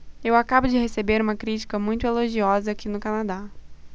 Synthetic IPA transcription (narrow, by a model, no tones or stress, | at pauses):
ewakabʊd͡ʒɪhesebeɾũmɐkɾit͡ʃi̥kɐmũj̃t̪ʊeloʒiɔzɐakinʊkanad̪a